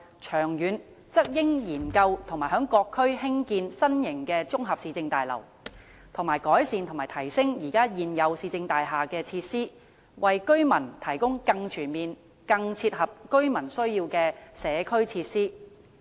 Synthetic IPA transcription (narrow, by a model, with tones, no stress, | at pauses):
t͡ʃʰœː˨˩ŋjyː˨˧n | t͡sɐ˥k̚jɪ˥ŋjiː˨˩nkɐ˧wt̪ʰʊ˨˩ŋmaː˨˩jɦœː˨˥ŋkɔː˧kʰːɵ˥ɥhɪ˥ŋkiː˧nsɐ˥njɪ˨˩ŋkɛː˧t͡sʊ˥ŋɦɐ˨p̚siː˧t͡sɪ˧ŋt̪aː˨jlɐ̰˨˩w | t̪ʰʊ˨˩ŋmaː˨˩jkɔː˨˥jsiː˨˧nt̪ʰmaː˨˩jt̪ʰɐ˨˩jsɪ˥ŋjiː˨˩kaː˥jiː˨njɐ˨˧wsiː˧t͡sɪ˧ŋt̪aː˨jɦaː˨kɛː˧t͡sʰiː˧t̚siː˥ | wɐ˨jkɵ˥ɥmɐ˨˩nt̪ʰɐ˨˩jkʊ˥ŋkɐ˧ŋt͡ʃʰyː˨˩nmiː˨n | kɐ˧ŋt͡sʰiː˧t̚hɐ˨p̚kɵ˥ɥmɐ˨˩nsɵ˥ɥjiː˧wkɛː˧sɛː˨˧kʰɵ˥ɥt͡sʰiː˧t̚siː˥